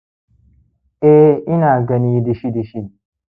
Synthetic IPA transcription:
ʔe˦ʔɪ˦naː˨ɡɐ˦ni˦di˦ʃi˦di˨ʃi˦

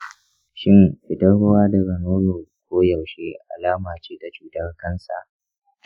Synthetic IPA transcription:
ʃɪ˦nɸɪ˨dɐ˦ɽo˦waː˦da˨ɾɐ˨noː˦noː˨kʷoː˦jɐ˨wʃe˦ʔa̰˨laː˦maː˨t͡ʃiː˦da˨t͡ʃuː˦tɐ˦rkɐ˦nsa̰˨ʔ

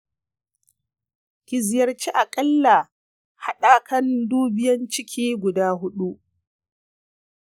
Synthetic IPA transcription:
kʲɪ˨zjɐ˨rt͡ʃi˦ʔa˨kʼɐ˦lːa˨ | ha˦ɗaː˦kɐ˦nduː˦bɪ˦jɐ˦nt͡ʃɪ˦kʲʰiː˦ɡʷʊ˨daː˦ɦʊ˦ɗu˦ʔ

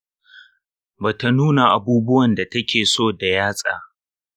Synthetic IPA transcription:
baː˨ta˦˨nuː˦na˨ʔa˨buː˦bʊ˦wɐ˨nda˨tɐ˦kʲeː˨soː˦˨da˨jaː˦sʼa̰ː˨

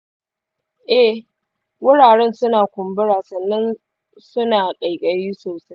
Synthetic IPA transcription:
ʔɛ˦ | wʊ˦ɽaː˨ɽɛ˦nsʊ˦naː˨kʷʊ˨mbɪ˦ɽaː˨sɐ˨nːɐ˦n | sʊ˦naː˨kʼɐ˨jkʼɐ˨jiː˦soː˨sa˦j

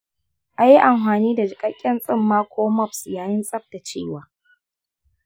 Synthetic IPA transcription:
ʔa˨ji˦ʔa˨mɸaː˨niː˦da˨d͡ʒɪ˨kʼɐ˦kʲʼːɛ˦nsʼɪ˦˨mːaː˦kʷʰoː˦mɔ˦˨psjaː˨jɪ˦nsʼɐ˦ɸ̚ta˨t͡ʃeː˦˨waː˨

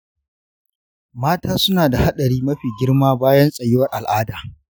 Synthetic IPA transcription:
maː˦taː˦sʊ˦naː˨da˨ha˦ɗɐ˨ɽiː˦mɐ˦ɸiː˨ɡʲɪ˦rmaː˦baː˦jɐ˦nsʼɐ˨jɪ˦wɐ˦rʔa˨lʔaː˦daː˨

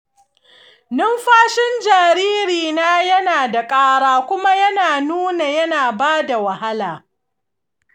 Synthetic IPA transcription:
nɪ˦mɸaː˦ʃɪ˦nd͡ʒaː˨ɾiː˦ɾiː˨naː˦jɐ˦naː˨da˨kʼaː˦ɽaː˦kʷʊ˦ma˦jɐ˦naː˨nuː˦na˨jɐ˦naː˨baː˦da˨wɐ˨ha˦laː˨

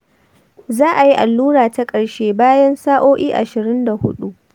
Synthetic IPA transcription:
zaː˦ʔa˨ji˦ʔa˨lːuː˦ɾaː˨ta˦kʼɐ˨ɽʃeː˦baː˦jɐ˦nsaː˦ʔoː˦ʔʲiː˦ʔa˨ʃɪ˨ɾɪ˦nda˨hʊ˦ɗu˦ʔ

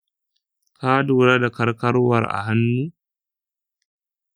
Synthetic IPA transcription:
kʰaː˦duː˨ɾa˦da˨kɐ˦ɾkɐ˦ɾwɐ˨ɾʔa̰˨ɦa˦nːuː˦

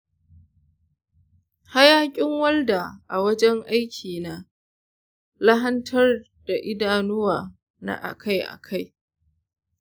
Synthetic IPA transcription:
ha˦jaː˦kʲʼɪ˦ŋwɐ˦lda˨ʔa˨wɐ˦d͡ʒɛ˦ŋʔa˦jkʲʰiː˨naː˦ | la˦ɦɐ˦ntʰɐ˦r | d̥a˨ʔɪ˦daː˨nʊ˦waː˨ | na̰˦˨ʔa̰˨kʰa˦jʔa̰˨kʰa˦˨j

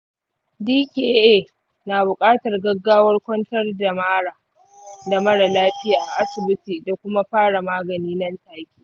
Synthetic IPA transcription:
diː˦kʲe˦ʔeː˦˨ | naː˨bʊ˨kʼaː˦tɐ˨rɡɐ˦ɡːaː˦wɐ˦rkʷɔ˦ntɐ˦rda˨maː˦ɽaː˨ | da˨mɐ˦ɽa˨laː˦ɸɪ˦jaː˨ʔa̰˨ʔa˦sɪ˨bɪ˦tiː˨da˨kʷʊ˦ma˦ɸaː˦ɽa˨maː˦ɡɐ˨niː˦nɐ˦ntaː˦kʲiː˦

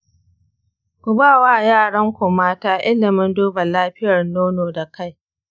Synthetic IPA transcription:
kʷʊ˨baː˦˨waː˦˨jaː˦˨ɽɐ˦ŋkʷʊ˨maː˦taː˦ʔɪ˦lɪ˨mɪ˦nduː˦ba˨laː˦ɸɪ˦jɐ˨rnoː˦noː˨da˨ka˦˨j

